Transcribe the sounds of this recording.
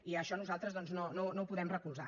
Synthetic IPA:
iəʃɔnuzalˠt̪ɾəzðɔnznononoupuðɛmrəkulˠza̰

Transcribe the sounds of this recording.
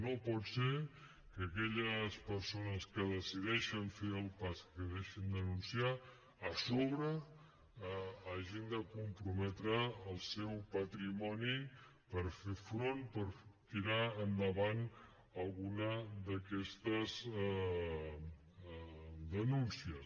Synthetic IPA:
nopɔt̪se | kəkɛʎəspəɾsonəskəðəsiðɛʃəɱfeəlˠpaskəðeʃənd̪ənunsiaː | soβɾə | aʒind̪əkumpɾumɛt̪ɾəːlˠsɛwpət̪ɾimɔnipəɾfefɾonpəɾt̪iɾaənd̪əβan | əlˠɣunəd̪əkɛst̪əz | d̪ənunsiəs

